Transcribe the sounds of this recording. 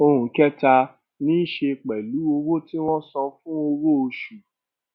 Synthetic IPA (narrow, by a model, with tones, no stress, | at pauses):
o˧hũ˨kɛ˦ta˧ | nĩ˦ʃe˧k͡pɛ˨lu˨˦o˧wo˦ti˦w̃ɔ̃˦sɔ̃˧fũ˦o˧wo˦o˧ʃu˨